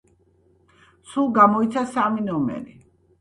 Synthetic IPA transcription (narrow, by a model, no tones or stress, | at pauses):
sulˠɡamɔit̪sʰasaminɔmɛ̰ɾi